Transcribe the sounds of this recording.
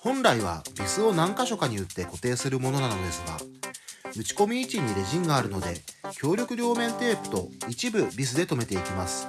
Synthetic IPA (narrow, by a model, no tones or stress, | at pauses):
hõ̞nɾaiβ̞a̰bʲisɨo̞nãŋkaɕo̞kaɲ̟iɯ̟t̪ːe̞ko̞t̪e̞ːsɨɾɯ̟mo̞no̞nano̞d̪e̞sɨɡa̰ | ɯ̟t͡ɕi̥ko̞mʲiːt͡ɕiɲ̟ːiɾe̞ʑĩŋɡaːɾɯ̟no̞d̪e̞kʲo̞ːɾʲo̞kɯ̟ɾʲjo̞ːmẽ̞nt̪e̞ːpɯ̟̥t̪o̞it͡ɕibɯ̟bʲis̬ɨd̪e̞t̪o̞me̞t̪e̞ikʲimasɨ̥